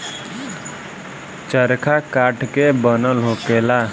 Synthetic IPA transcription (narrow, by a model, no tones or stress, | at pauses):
t͡ʃəɾkʰakaːʈʰkebənəlɦoːkeːla